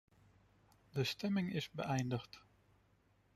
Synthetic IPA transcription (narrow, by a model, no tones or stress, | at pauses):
dəstɛmɪŋɪzbə̰ʔɛjndəχt